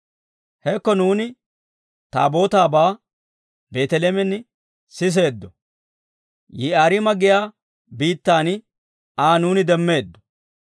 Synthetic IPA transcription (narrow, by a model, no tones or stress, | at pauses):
hɛkːɔnuːnɪ | t̪a̰ːbo̞ːt̪aːbaː | be̞ːt̪ɛleːmɛn | sɪs̬e̞ːd̪ːɔ | jɪaːɾɪmɐɡɪjaː | biːt̪ːaːn | aːnuːnɪd̪ɛmːe̞ːd̪ːɔ̥